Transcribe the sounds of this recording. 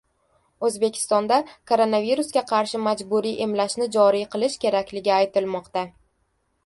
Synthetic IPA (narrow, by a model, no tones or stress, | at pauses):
ɵzbe̞kʲʰɪ̥st̪ɒnd̪akʰoɾo̞naviɾusɡʲaqʰɑɾʃɪmad͡ʒbuɾiʔemlaʃnɪd͡ʒɒɾijqʰɨlˠɪʃkʲʰe̞ɾakʲlɪɡʲɪajt̪ɪlmɒqt̪a